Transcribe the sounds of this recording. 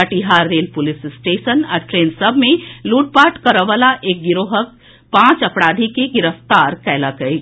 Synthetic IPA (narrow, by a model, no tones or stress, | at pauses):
əʈiɦaɾːelpulissʈesənaɾʈɾeːnsəbʱmẽluːʈ̚paʈkəɾəʋalaʔeːk̚ɡiɾoɦək̚ | pãːt͡ʃəpɽaːd̪ʱikeɡiɾəft̪aɾkɛləkəi